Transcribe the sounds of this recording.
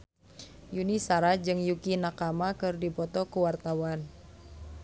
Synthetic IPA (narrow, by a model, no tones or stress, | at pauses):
junisaɾad͡ʒɨŋjukinakamakɨrdipɔt̪ɔkuwart̪awan